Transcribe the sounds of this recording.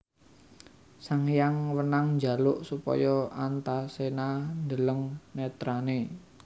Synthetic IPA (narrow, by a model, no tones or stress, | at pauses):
saŋjaŋwənaŋɲd͡ʒa̤lʊʔsupɔ̰jɔant̪asenand̪ələŋnɛt̪ɾane